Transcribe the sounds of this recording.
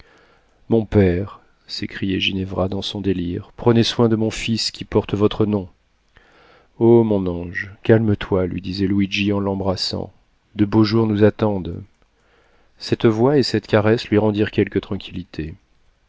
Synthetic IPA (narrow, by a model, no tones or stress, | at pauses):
mɔ̃pɛʁ | sekχijɛʒinɛvʁad̪ɑ̃sɔ̃d̪eliʁpχəneswɛ̃d̪əmɔ̃fiskʲipɔʁt̪vɔt̪χənɔ̃ | omɔ̃nɑ̃ʒkʲalmət̪walɥḭd̪izɛlwiʒiɑ̃lɑ̃bʁasɑ̰̃ | d̪əboʒuʁnuzat̪ɑ̃d̪ | sɛt̪vwaesɛt̪kaʁɛslɥiʁɑ̃d̪iʁkʲɛlkət̪χɑ̃kʲʰilit̪ʰe